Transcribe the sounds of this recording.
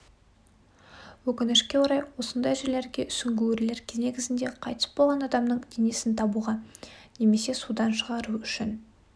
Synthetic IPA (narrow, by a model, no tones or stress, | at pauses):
wɵkʲɪnɪʃkʲe̞oɾɑjwo̞sənd̪ɑjʒeɾle̞ɾɡʲe̞ʔʏsɪŋɡʲuweɾle̞ɾkʲne̞ɡʲɪzɪnd̪e̞qʰɑjt̪ʰə̥sbo̞lˠʁɑnɑd̪ɑmnəɴd̪enesɪnt̪ʰɑbuʁɑne̞me̞se̞sud̪ɑnʃəʁɑɾuʏʃɪn